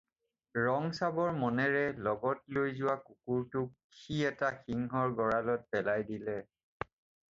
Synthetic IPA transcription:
ɹɔŋsabɔɹmɔnɛɹɛlɔɡɔtlojzʊwakukuɹtʊk | kʰːiɛtaxiŋɦɔɹɡɔɹalɔt̚pɛlajdilɛ

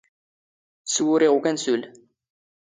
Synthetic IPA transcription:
swʊɾiʁukænsul

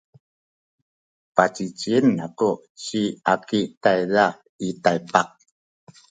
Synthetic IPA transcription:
pat͡ɕit͡ɕiənako | t͡ɕiakitajða | itajpak̚

